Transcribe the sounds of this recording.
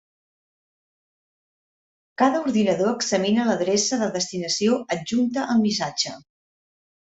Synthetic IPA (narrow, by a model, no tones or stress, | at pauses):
kaðəuɾðinəðoəɡzəminələðɾesəðəðəst̪inəsioəd͡ʒunt̪əʔəlˠmisad͡ʒə